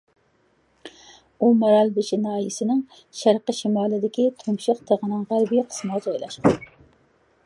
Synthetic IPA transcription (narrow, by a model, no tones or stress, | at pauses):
umɑɾɑlˠbɪʃinɑːjisɪnɪŋ | ʃæɾqəʃimɑːlˠɪd̪ɪkʲit̪ʰumʃɨqt̪ʰeʁənɨŋʁæɾbijqʰə̥smɑd͡ʒɑjlˠɑ̰ʃqɑn